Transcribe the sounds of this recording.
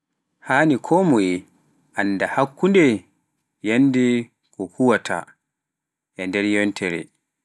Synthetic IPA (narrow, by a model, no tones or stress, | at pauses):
haːnikʰɔmɔj | ʔanːdahakːundɛ | janːdi | kɔkuwatʰa̰ | ʔɛndɛɾjɔntʰɛɾɛ̰